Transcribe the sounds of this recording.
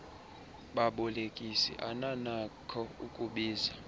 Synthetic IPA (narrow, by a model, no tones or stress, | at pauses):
ɓaɓulekʼisḭʔananakʰɔukʼuɓiːza